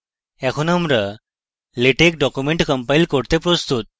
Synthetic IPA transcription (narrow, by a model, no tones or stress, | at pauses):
ɛkʰunamɾə | leʈek̚ɖɔkjumẽɳʈkəmpaiːlkoɽt̪ẽpɾost̪ut̪̚